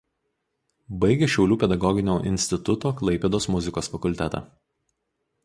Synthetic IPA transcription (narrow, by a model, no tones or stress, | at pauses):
bɐɪɡʲeʃʲɛʊlʲuːpʲɛd̪ɐɡɔɡʲɪnʲoːʔɪ̰nʲsʲt̪ʲɪt̪ʊt̪oːklˠɐɪpʲɛd̪oːsmʊzʲɪkoːsfɐkʊlʲt̪ʲɛt̪ɑ̰ː